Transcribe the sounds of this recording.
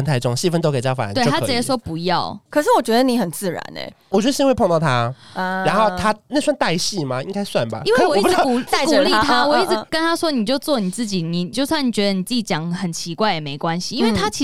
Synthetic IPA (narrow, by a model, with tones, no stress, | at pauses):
ə˧nt̪ʰa˧ɪʈ͡ʂo˥˨ŋɕi˥˩fə˧˦nt̪o˥ʊke˨˩ɪt͡ɕjɑ˥˩fa̰˨˩˨we˥˩˨t̪ʰa˥i˧˥ə˧˥ʂwɔ˥pu˧˥jɑ˥˨ʊkʰɤ˨˩ʂ̬ɻ̩˥˩wɔ˨˩t͡ɕɥɛ˧˥d̪ə˧ni˨˩˦xə˨˩nt͡sɹ̩˥˩ɻa̰˧˦nḛ˧˩wɔ˨˩t͡ɕɥɛ˧˥˩ɕi˥nwe˥˧ɪpʰo˥˧ŋt̪ʊt̪ʰa˦ɻa˧˥nxo˥˩ʊt̪ʰa˥ne˥˩ɪswa˥˧nt̪a˥˧ɪɕi˥˩ma˨˩i˥ŋka˥ɪswa˥˨nba̰˨˩i˥nwe˥˩˥wɔ˨i˥pa˥˨˥kuu˨˩li˥˩˥t̪ʰa˥wɔ˨˩i˥˩t͡s̩˨˩kə˦nt̪ʰa˥ʂwɔ˥ni˨˩t͡ɕjo˥˧ʊt͡swɔ˥˨ni˨˩t͡sɹ̩˥˩t͡ɕi˨˩ni˨˩t͡ɕjo˥˧ʊswa˥˩n˨˩t͡ɕɥɛ˧˦d̪ə˧˩ni˨˩t͡s̩˥˩t͡ɕi˩t͡ɕjɑ˨˩ŋxə˨˩nt͡ɕʰi˧˦kwa˥˩ɪjɛ˨˩me˧˥ɪkwa˦nɕi˨i˥nwe˥˩a˥t͡ɕʰi˧